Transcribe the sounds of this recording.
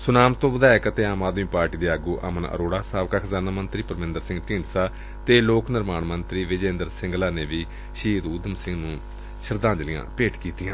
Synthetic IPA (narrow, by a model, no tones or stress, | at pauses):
sʊnaːmt̪õːʋəd̪aːɪkət̪eːaːmaːd̪mĩːpaːɾʈiːd̪eːaːɡuːʔə̰mənə̰ɾoːɽaːsaːʋkaːkʰəzaːnaːmənt̪ɾiːpəɾmɪ̃nd̪əɾsɪ̃ŋɡʈĩːɳʈsaː | t̪eːloːknɪɾmaːɳmənt̪ɾiːʋɪd͡ʒẽːnd̪əɾsɪŋɡlaːneːʋiː | ʃiːt̪uːd̪əmsɪ̃ŋɡnũː | ʃəɾd̪ãːɲd͡ʒlijã̰ːpeːʈkiːt̪ijãː